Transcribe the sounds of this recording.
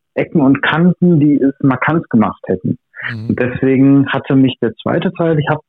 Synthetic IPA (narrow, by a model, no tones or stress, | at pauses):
ʔɛkŋ̩ʊntkʰantn̩diːɛsmaɐkʰantɡ̥əma̰χthɛtn̩ | ʊnt̚d̥ɛsv̥eːɡŋ̩hatʰəmɪçd̥eːɐt͡sv̥a̰ɪtətʰaɪlɪçhaːbə